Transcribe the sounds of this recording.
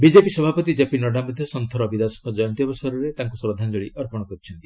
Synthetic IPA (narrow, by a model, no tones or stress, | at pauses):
bid͡ʒepisɔbʱapɔt̪id͡ʒapinɔɖʱamud̪ʱjɔsɔnt̪ʰɔɾɔbid̪asɔ̥ŋkɔd͡ʒɔjɔnt̪iɔbɔsaɾɔɾet̪aŋkusɾɔd̪ʱand͡ʒɔɭiʔɔɾpɔɽ̃ɔkɔɾit͡ʃʰɔnt̪i̥